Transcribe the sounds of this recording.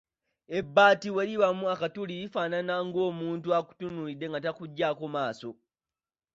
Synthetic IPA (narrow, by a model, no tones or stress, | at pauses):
ebːaːtiweɾiβamuakatulijifaːnanaŋɡo̞ːmuːntuaku̥tunulidːe̞ŋɡat̬akuɟːaːkomaːso̞